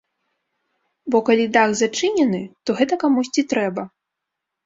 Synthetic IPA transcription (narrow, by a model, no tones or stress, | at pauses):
bɔkalʲid̪aɣzat͡ʂɨnʲɛnɨt̪ɔɣɛt̪ɐkamusʲt͡sʲit̪ɾɛbɐ